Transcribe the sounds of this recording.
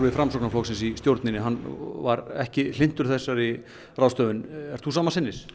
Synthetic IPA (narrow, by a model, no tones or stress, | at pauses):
vɪðfɾamsɔknaflɔwksɪnsist̪jowɾt̪nɪnɪɦanːvaɾɛ̰hcɪl̥ɪn̥t̪ʏɾ̥θɛsːaɾi | raːwst̪œːvʏnɛɾ̥t̪θusaːmasɪnːɪɾ̥